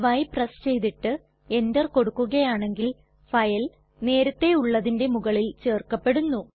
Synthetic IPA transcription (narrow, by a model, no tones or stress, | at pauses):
ʋɐjprɐst͡ɕe̞jðiʈːɨ | e̞ndɐrko̞ɽukːuɣɐjaːɳe̞ŋɡil | fɐjɐl | ne̞ːɾɐt̪ːe̞uɭːɐðinde̞muɣɐɭilt͡ɕe̞ːrkːɐpːe̞ɽunːu